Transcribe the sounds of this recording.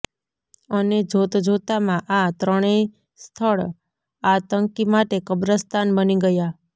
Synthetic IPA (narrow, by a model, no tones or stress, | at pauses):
əned͡ʒʱot̪d͡ʒʱot̪amãʔat̪ɾəɽ̃e | st̪ʰəɭ | at̪əŋkimaʈekəbɾəst̪anbəniɡəja